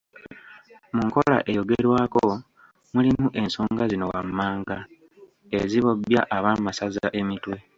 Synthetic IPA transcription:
muŋko̞la̰ʔe̞jo̞ɡe̞ɾwaːko | mulimuʔe̞nsoːŋɡazino̞wamːaːŋɡa | eziβo̞bja̰ʔaβaːmasazaʔe̞mitwe̞

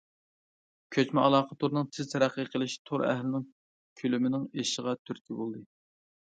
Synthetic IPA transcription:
kʲʰøt͡ʃmɛɑlˠɑːqʰət̪ʰoɾnɨŋt̪ʰɪzt̪ʰæɾæqːəqʰəlˠɪʃt̪ʰoɾæ̰ɦlɪnɪŋ | kʲʰylymɪnɪŋeʃəʁɑt̪ʰyɾkʲʰibolˠd̪ɨ

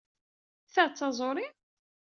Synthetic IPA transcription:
θat͡sːɑzˤoɾi

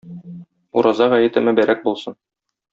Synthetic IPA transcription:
uɾʔɑzɑʁæjɘ̆t̪ɘ̆mɘbæɾæk̚bulˠsɤn

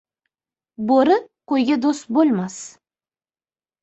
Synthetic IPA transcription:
boɾɪqojɡʲad̪ost̪̚bolˠmas

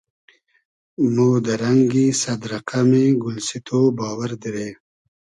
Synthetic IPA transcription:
moːd̪ɐɾɐŋɡisɐd̪ɾɐqameɡʊlsit̪ʰobɑːwəɾd̪iɾeː

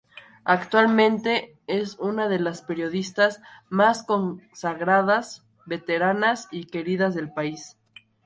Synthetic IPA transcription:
akt̪walmẽ̞nt̪e̞ | esunaðe̞laspe̞ɾjo̞ðist̪azmasko̞nsaɣɾaðas | be̞t̪e̞ɾanasike̞ɾiðazðe̞lpais

